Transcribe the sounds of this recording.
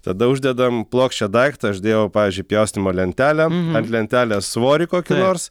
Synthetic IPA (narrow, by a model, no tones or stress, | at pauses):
t̪ɐd̪ɐʊʒʲd̪ʲɛd̪ɐmplˠoːksʲʃʲt͡ʃʲɛd̪ɐɪkt̪ɐɐʒʲd̪ʲeːʋɐʊpɑːʋʲiːzʲd͡ʒʲʊɪpʲjɛʊsʲnʲɪmoːlʲɛnʲt̪ʲæːlʲɛɐnt̪ʲlʲɛnʲt̪ʲæːlʲɛsʋoːɾʲɪkoːkʲɪnoːrs